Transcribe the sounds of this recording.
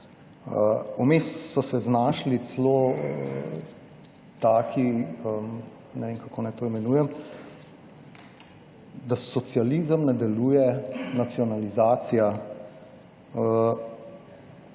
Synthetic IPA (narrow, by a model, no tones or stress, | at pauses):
əumessɔsɛznaːʃlit͡s̪sloə | t̪aːkʰiəm | nɛʋeːnkakoːnajt̪oːimɛnuːjɛm | d̪asɔt̪sijalizəmnɛd̪ɛluːjɛnat̪siɔnalizaːt̪sija | ə